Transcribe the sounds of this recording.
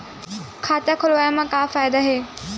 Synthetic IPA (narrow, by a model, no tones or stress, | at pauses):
kʰaːt̪iakʰolʋajamãkaːfaːjd̪aɦeː